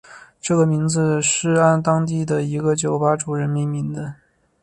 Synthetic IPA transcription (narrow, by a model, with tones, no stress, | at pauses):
ʈ͡ʂɤ˥˩ɡə˩mi˧˥ŋd͡z̩˧ʂɻ̩˥˩a˥˩nt̪ɑ˥ŋt̪̬i˥˩d̪ə˩i˧˥ɡə˧t͡ɕjo˨˩ʊpa˥ʈ͡ʂu˨˩ɻə˧˥nmi˧˥ŋmi˧˥ŋd͡z̩˧